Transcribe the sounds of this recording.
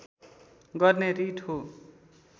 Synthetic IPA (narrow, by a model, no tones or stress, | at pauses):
ɡʌrneɾiʈʰo